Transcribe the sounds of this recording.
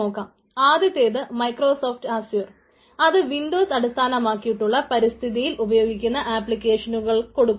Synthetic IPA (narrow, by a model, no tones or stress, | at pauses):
o̞ːkːaːm | aːðjɐt̪ːeːðɨmɐjkro̞ːso̞ːfʈaːsjuːr | ɐðɨʋinɖo̞ːsɐɽist̪ʰaːnɐmaːkːijiʈːuɭːɐpɐɾist̪ʰiðijilʔubɐjo̞ːɡikʲːunːɐʔaːpːɭikʲːe̞ːʂɐnuɣɐɭko̞ɽukː